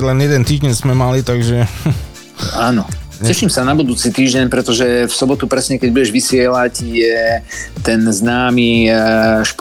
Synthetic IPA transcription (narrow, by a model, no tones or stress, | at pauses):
lɛnjɛd̪ɛnt̪iːʒɟɛnzmɛmalit̪aɡʒɛ | aːnɔɲcɛʃimsanabud̪uːt͡sit̪iːʒɟɛɲpɾɛt̪ɔʒɛfsɔbɔt̪upɾɛsɲɛkɛɟ̚buɟɛʒʋisɪɛlacjɛt̪ɛnznaːmi | ʃp